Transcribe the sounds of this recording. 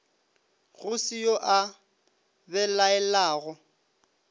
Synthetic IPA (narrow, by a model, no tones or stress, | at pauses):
ɣʊsijoʔa | bɛlaɛlaːɣɔ